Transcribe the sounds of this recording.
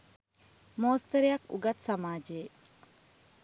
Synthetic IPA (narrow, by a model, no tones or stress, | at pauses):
moːst̪ɐɾijɐkṵɡɐt̪sɐmaːd͡ʒeː